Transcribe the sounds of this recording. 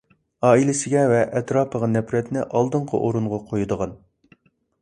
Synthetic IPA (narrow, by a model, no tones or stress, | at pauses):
ɑːilɪsɪɡʲɛvɛʔɛt̪ɾɑːpʰəʁɑnɛpɾɛt̪nɪʔɑlˠd̪əɴqʰə̰ʔoɾuɴʁɑqʰojud̪əʁɑn